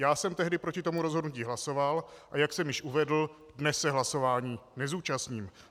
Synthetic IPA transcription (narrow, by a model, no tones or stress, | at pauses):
jaːsɛmt̪ɛɦdɪpɾo̞cɪt̪o̞muɾozɦodnuciːɦlaso̞valʔajaksɛmjɪʃʔuvɛdl̩ | dnɛsːɛɦlaso̞vaːɲiːnɛzuːt͡ʃasɲiːm